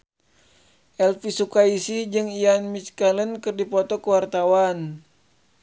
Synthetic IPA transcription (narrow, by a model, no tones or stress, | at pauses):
ʔɛlfisukaisid͡ʒɨŋianmit͡ʃkalənkɨrdipɔt̪ɔkəwart̪awan